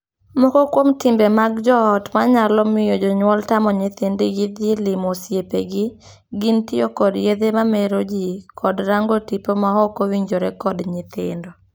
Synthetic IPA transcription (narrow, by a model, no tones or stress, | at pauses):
mɔkɔkwomtɪmbemaɡd͡ʒɔːtmaɲalɔmɪjɔd͡ʒɔɲwɔltamɔɲɪt̪endeɡɪd̪jɪlɪmɔsjepeɡɪ | ɡɪntɪjɔkɔdjed̪emameɾod͡ʒikʰɔdɾaŋɡotipomaɦɔkowiɲd͡ʒoɾɛkɔdɲɪt̪ɪ̰ndo